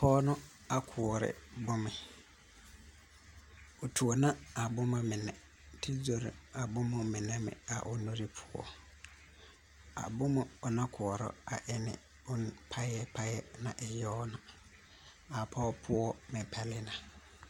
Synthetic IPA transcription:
pʰɔː˦nʊ̃˦ | a˨kʰʊ˨ɔ˨ɾɪ̰˨bʊ˦mɪ̃˨ | o˨tʰu˨o˨nã˦a˨bʊ˦mã˨mɪ̃˨nɛ̃˨ | tʰɪ˦d͡zo˨ɾɪ̰˨a˨bʊ̃˦mʊ̃˨mɪ̃˨nɛ̃˦mɪ̰̃˨a̰˨ʔʊ˨no˦ɾɪ˦pʰʊ˦ɔ̰˨ | a̰˨bʊ̃˦mʊ̃˨ɔ˨nã˦kʰʊ˨ɔ˨ɾɔ̰˦a˨ʔɛ˦nɪ̰̃˨ | ʊ˦n˦pʰa˦jɛ˦pʰa˦jɛ˦nã̰˨ʔɛ˨jɔː˦nʊ̃˨ | a˨pʰɔ˦pʰʊ˦ɔ˦mɪ̃˨pʰɛ˨lɪ˦nã˨

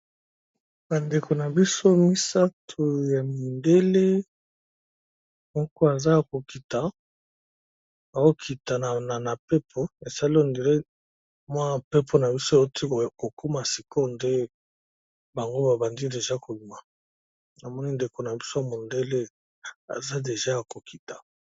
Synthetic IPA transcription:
ba˨nde˨kʰo˨na˨bi˦so˦mi˦sa˦tʰo˨ja˨mi˨nde˦le˦ | mɔ˦kɔ˦a˨za˦ko˨ki˨ta˨ | ba˨o˦kʰi˨ta˨na˨na˨na˨pe˦pʰo˦e˨sa˦li˦o˨nde˨le˦ | mwa˦˨pe˦pʰo˦na˨bi˦so˦e˨o˦tʰi˦˨ko˨ko˦ma˨si˨ko˦nde˦ | ba˨ŋɡo˦ba˨ba˨ndi˦de˨ʒa˦ko˨li˨ma˨ | na˨mɔ˦ni˦nde˨ko˨na˨bi˦so˦ja˨mo˨nde˦le˦ | a̰˨za˦de˨ʒa˦ja˨ko˨ki˨tḁ˨

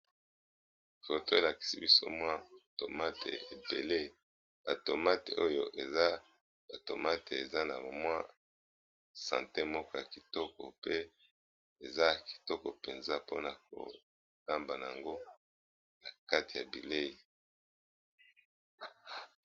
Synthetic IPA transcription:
fo˨to˦e˨la˨ki̥˨sḭ˦bi˦so̰˦mwa˦˨to˨ma˦tḛ˨e˨be˨le˦ | a˨to˨ma˦te˨o˦jo˦ʔe˨za˦ | a˨to˨ma˦te˨e˨za˦na̰˨mwa˦ | sã̰˨te˦mɔ˦kɔ˦ja˨ki˨tɔ˦kɔ̰˨pe˦ | e˨za˦ki̥˨tɔ˦kɔ˨pe˨nza˦po˦na˨k̚o̰˨ | ka˦mba˨na˨a˨ŋɡo˦ | na˨ka˦ti˨ja̰˨bi˨le˦i˨

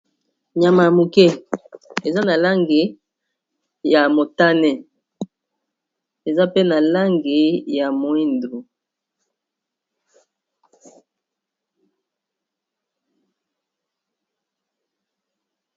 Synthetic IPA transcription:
ɲa˨ma˨ja˨mo˨kɛ˦ | e˨za˦na˨la˦ŋɡe˨ | ja˨mo˨ta˦nɛ˦ | e˨za˦pe˦na˨la˦ŋɡe˨ja˨mo˨i˦ndɾu˨

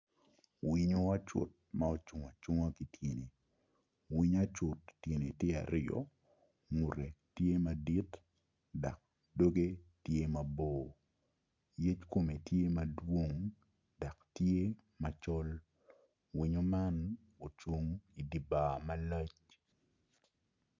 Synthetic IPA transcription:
wi˦ɲo˦a˦t͡ʃʊ̰˨t̚ma˦o˦t͡ʃʊ˨ŋa˨t͡ʃʊ˦ŋa˦ki˨tje˨ne˨ | wi˦ɲa˦t͡ʃʊ˨ttje˨ne˨tje˦a̰˨ɾɪjɔ̰˨ | ŋu˨ɾe˨tje˦ma˨di˦t | da˨k̚ | do˦ɡe˦tje˦ma˨boː˨ | je˦t͡ʃko˦˨me˨tje˦ma˨dwo˦ŋ | da˨ktje˦ | ma˨t͡ʃɔ˦l | wi˨ɲo˦ma˦n | o˨t͡ʃo˦ŋi˨di˨baː˨ma˦la˦t͡ʃ

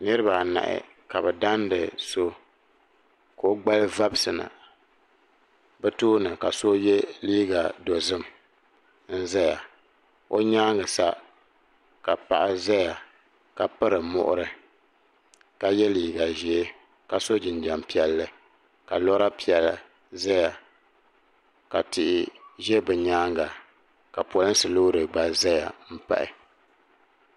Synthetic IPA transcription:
nɨ˦ɾɨ˦ba˨na̰˨ʔɪ̰˨ | ka˨bɛ˨da˦ndɨ˨so˦ | ko˨o˦ɡ͡ba˦lɨ˦va˦bɨ˦sɨ˨na̰˨ | bɛ˦toː˦nɨ˨ka˨so˦jɛ˦liː˦ɡa˨do˨zɨ˦m˨ | n̩˦za˦ja̰˨ | o˦ɲaː˦ŋɨ˨sa˦ | ka˨pa̰˨ʔa˦za˦ja˨ | ka˨pɨ˦ɾɨ˨mʊ̰˦˨ʔʊ̰˦ɾɨ˦ | ka˦jɛ˦liː˨ɡa˨ʒi˨e˦ | ka˨so˦d͡ʒɪ˨nd͡ʒa˨mpi˦ɛ˨lːɨ˨ | ka˨lɔ˦ɾa˦pi˦ɛ˨la˨ | za˦ja˨ | ka˨tɪ˨ʔɪ˨ʒɛ˦bɨ˨ɲaː˦ŋɡa˨ | ka˨pɔ˨lɨ˦n˦sɨ˨lo˦ɾɨ˨ɡ͡ba˨za˦ja̰˨m̩˦pa̰˦ʔɪ̰˨

